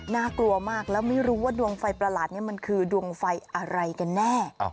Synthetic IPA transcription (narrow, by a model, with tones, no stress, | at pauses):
naː˥˩klu˧ɐmaː˥˩k̚lɛː˦˥wma˥˩jɾuː˦˥waː˥˩du˧əŋfa˧jpɾa˧laː˨˩t̪̚ni˥˩˨ma˧nkʰɯː˧du˧əŋfa˧jʔa˧ɾa˧jka˧nːɛː˥˩